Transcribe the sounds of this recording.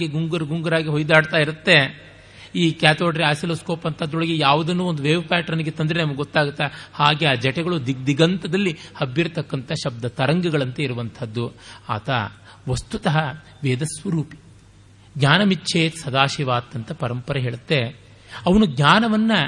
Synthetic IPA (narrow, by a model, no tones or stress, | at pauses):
ɡeɡuŋɡɐɾɡuŋɡɐɾaːɡiɦojd̪aːɽt̪aːiɾut̪ːe̞ | iːkjaːt̪oːʈɐɾiaːsilɐskoːpɐnt̪ʰɐd̪ːoɭɐɡejaːʋud̪ɐnːuːond̪uʋeːʋɐpaːʈɐɾɐniɡet̪ɐnd̪ɾenɐmɐɡɡot̪ːaːɡut̪ːɐhaːɡeaːd͡ʒɛʈɛɡɐɭud̪id̪iɡɐnt̪ɐd̪ɐlːihɐbːiɾɐt̪ɐkːɐnt̪ʰɐʃɐb̚d̪ɐt̪ɐɾɐŋɡɐɡɐɭɐnt̪ɐiɾuʋɐnt̪ʰɐd̪ːua̰ːt̪ʰɐ | ʋɐst̪ut̪ɐɦɐ | ʋeːd̪ɐsʋɐɾuːpi̥ | ɡɲaːnɐmitːʃʰeːt̪sɐd̪aːʃiʋaːt̪ːɐnt̪ɐpɐɾɐmpɐɾɐɦeːɭut̪ːe | ɐʋɐnuɡɲaːnɐʋɐnːɐ